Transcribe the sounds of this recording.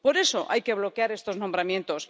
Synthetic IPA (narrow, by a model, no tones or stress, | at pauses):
po̞ɾe̞so̞ʔajke̞βlo̞keaɾe̞st̪o̞znombɾamje̞nt̪o̞s